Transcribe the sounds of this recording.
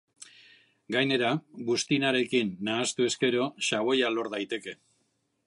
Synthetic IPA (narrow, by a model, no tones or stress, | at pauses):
ɡajne̞ɾaβust̪inaɾe̞kinːaːst̪ue̞ske̞ɾo̞ʃaβo̞jalo̞ɾðajt̪e̞ke̞